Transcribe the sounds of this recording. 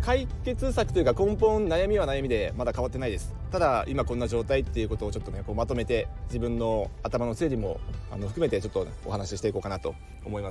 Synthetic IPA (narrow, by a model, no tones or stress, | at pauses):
kaike̞t͡sɨsakɯ̟̥t̪ojɯ̟kakõ̞mpõ̞nnajamʲiβanajamʲid̪e̞mad̪akaβat̪ːe̞naid̪e̞sɨ̥t̪ad̪aimakõ̞nːaʑo̞ːt̪ait̪ːe̞jɯ̟ko̞t̪o̞ːt͡ɕo̞t̪ːo̞ne̞koːmat̪o̞me̞t̪e̞d͡ʑibɯ̟̃nːo̞at̪amanose̞ːɾʲimo̞̰a̰no̞ɸɯ̟kɯ̟me̞t̪e̞t͡ɕo̞t̪ːo̞o̰hanaɕiɕi̥t̪eiko̞ːkanat̪o̞̰ː | mo̞imas